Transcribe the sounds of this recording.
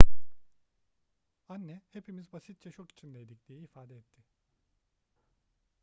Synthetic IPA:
anːɛhe̞pʰimizbasit̪̚t͡ʃʰɛʃoki̥t͡ʃʰind̪ɛjd̪icd̪ijɛːfaːd̪ɛɛt̪ʰːɪ

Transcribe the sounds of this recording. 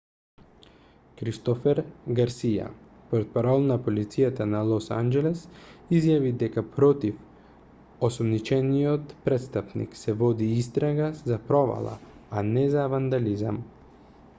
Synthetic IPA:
kɾist̪ɔfɛɾɡaɾsija̰ | pɔɾt̪̚paɾɔlˠnapolit̪sijat̪analˠɔsa̰nd͡ʒɛlɛsizjavid̪ɛkapɾɔt̪if | osɔmnit͡ʃɛnijɔt̪pɾɛt̪st̪apnḭksɛvɔd̪iist̪ɾaɡazapɾɔva̰lˠa̰anɛzavand̪aliza̰m

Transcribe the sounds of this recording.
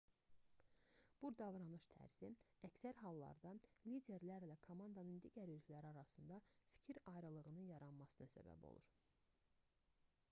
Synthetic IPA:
b̥uɾd̪ɑvɾɑnɯʃt̪ʰæ̰ɾz̥i | æcsæɾɦɑlˠːɑ̰ɾd̪ɑlid̪e̞ɾlæɾlækʰomɑnd̪ɑnɯnd̪iːɟæɾylkʰylæɾiɑɾɑsɯnd̪ɑfi̥cʰiɾɑjɾɯlˠɯʁɯnɯnjɑɾɑnmɑsɯnɑsæ̰bæ̰bo̞̰lˠṵɾ

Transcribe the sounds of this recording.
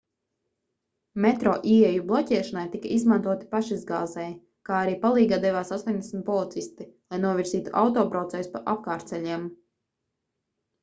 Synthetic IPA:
mɛt̪ɾɔːʔiɛjublˠɔcɛɛʃanajt̪ikaizmant̪uɔt̪i̥paʃizɡa̰ːzɛj | kaːaɾiːpalˠiːɡad̪ɛvaːsast̪oɔnʲd̪ʲesmʲt̪pɔlˠit̪sist̪ilˠajnuɔviɾziːt̪uʔa̰wt̪ɔːpɾɔt̪sɛsu̥paʔap̚kaːɾt̪sɛlʲiɛm

